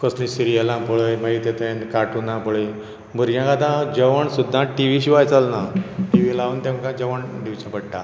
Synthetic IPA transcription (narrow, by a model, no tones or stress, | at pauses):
kəslĩsiɾijəlãpɔɭəjmait̪et̪əẽnkaʈunãpɔɭəj | muɾɡjãkad̪ãd͡ʑəʋəɳsud̪ʱːãʈiʋiɕiʋajt͡salnaʈiʋilaunt̪ãmkãd͡ʑəʋəɳɖiʋt͡ɕãpəɽʈa̰